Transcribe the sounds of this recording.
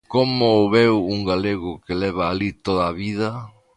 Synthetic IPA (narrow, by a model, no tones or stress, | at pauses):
komʊːβewuŋɡaleɣʊkelɛβ̞aːlit̪oðaːβiðɐ